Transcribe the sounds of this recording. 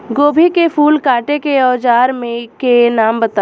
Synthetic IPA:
ɡoːbʱikepʰuːlkaːʈekeɔːd͡ʒaːɾmẽkenaːmbɐt̪a

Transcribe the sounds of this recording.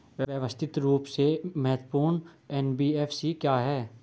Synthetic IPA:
ʋjʋjəʋəst̪ʰɪt̪ɾuːpsemɛɦt̪puːɾɳɛnbiːɛːfsikjaːɦɛː

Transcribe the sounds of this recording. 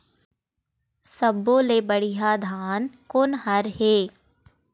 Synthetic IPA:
səbːoːleːbəɽiɦad̪ʱaːnkʊnhɐɾɦeː

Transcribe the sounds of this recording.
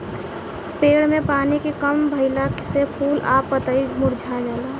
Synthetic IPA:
peːɽmẽpaːnikekəmbʱəɪlaksepʰuːlaːpːət̪əimʊɾd͡ʒʱad͡ʒəla

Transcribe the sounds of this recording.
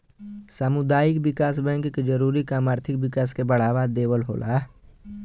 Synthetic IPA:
samʊd̪aːɪkbɪkaːsbɛ̃ŋkkd͡ʒəɾuːɾikaːmaːɾt̪ʰɪkbɪkaːskebəɽ̤aːʋad̪eːwəlɦo̰ːlʔa̰ː

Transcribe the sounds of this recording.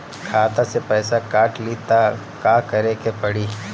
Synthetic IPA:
kʰaːt̪asepɛːsakaːʈlit̪a | kaːkɐɾekepɐɽiː

